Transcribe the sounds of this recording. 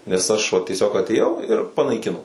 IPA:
nʲɛs ˈɐʃ ʋɐ tʲiɛˈsʲoːk ɐtʲeːˈjɛʊ ɪr pɐnɐɪˈkʲɪnoː

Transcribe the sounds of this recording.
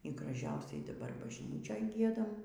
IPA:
iː ɡrɐˈʒʲɛʊsʲɛɪ dɐˈbɐr bɐʒʲˈnʲiːt͡ʃʲoːj ˈɡʲiɛdɐm

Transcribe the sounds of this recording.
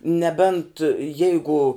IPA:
nʲɛˈbʲɛnt ˈjɛɪɡʊ

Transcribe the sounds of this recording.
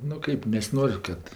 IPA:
nʊ ˈkɐɪp nʲɛsʲɪˈnoːrʲ ˈkɐt

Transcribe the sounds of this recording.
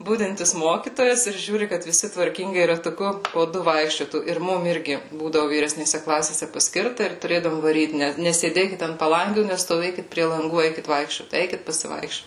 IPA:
ˈbʊdʲɪnʲtʲɪs ˈmoːkʲiːtoːjɛs ɪr ˈʒʲuːrʲɪ kɐt ʋʲɪˈsʲɪ tʋɐrʲˈkʲɪŋɡɐɪ rɐtʊˈkʊ poː ˈdʊ ˈʋɐɪkʃʲt͡ʃʲoːtuː ɪr ˈmʊm ˈɪrʲɡʲɪ ˈbuːdɐʋʊ ʋʲiːrʲɛsʲnʲeːˈsʲɛ ˈklˠɑːsʲeːsʲɛ pɐˈsʲkʲɪrtɐ ɪr tʊˈrʲeːdɐʋoːm ʋɐˈrʲiːt ˈnʲɛ nʲɛsʲeːˈdʲeːkʲɪt ɐnt pɐˈlˠɐŋʲɡʲuː nʲɛstoːˈʋʲeːkʲɪt pʲrʲiɛ lˠɐŋˈɡuː ˈɛɪkʲɪt ˈʋɐɪkʃʲt͡ʃʲoːt ˈɛɪkʲɪt pɐsʲɪˈʋɐɪkʃʲt͡ʃʲoːt

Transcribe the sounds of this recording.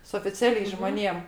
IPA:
sʊ oːfʲɪˈt͡sʲæːlʲɛɪs ʒmoːˈnʲeːm

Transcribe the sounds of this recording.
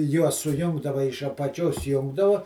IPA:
ˈjuɔs sʊˈjʊŋɡdɐʋɐ ɪʃ ɐpɐˈt͡ʃʲoːs ˈjʊŋɡdɐʋʊ

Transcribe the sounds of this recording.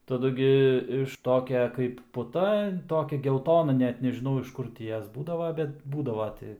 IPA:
tɐˈdʊ ɡʲɪ ɪʃ ˈtoːkʲɛ kɐɪp pʊˈtɐ ˈtoːkʲɛ ɡʲɛlˠˈtoːnɐ ˈnʲɛt nʲɛʒʲɪˈnɐʊ ɪʃ ˈkʊr tʲɪ ˈjoːs ˈbuːdɐʋɐ ˈbʲɛt ˈbuːdɐʋɐ ˈtʲɪ

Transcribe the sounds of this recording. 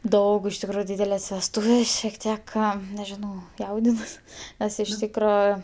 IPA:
ˈdɐʊk ɪʃ tʲɪkˈruːjʊ ˈdʲiːdʲɛlʲɛs ʋʲɛsˈtuːʋʲeːs ʃʲiɛk ˈtʲiɛk ˈkɑː nʲɛʒʲɪˈnɐʊ ˈjɛʊdʲɪnuɔs ˈnʲɛs ɪʃ ˈtʲiːkroː

